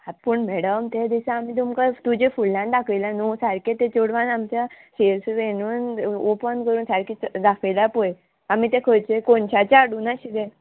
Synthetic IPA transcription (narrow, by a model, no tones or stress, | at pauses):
apuɳmɛɽəmt̪jad̪isãːmiːt̪̬umkat̪ud͡ʑefulːãnd̪akʰəjlanusaɾkẽt̪ẽt͡ɕoɽʋãnamt͡ɕa | ɕeɾsʋenuːnopənkəɾuːnsaɾkid̪akʰelapoj | amit̪ẽkʰəjt͡ɕekoɳt͡ɕat͡ɕaːɽuːnaɕid̪e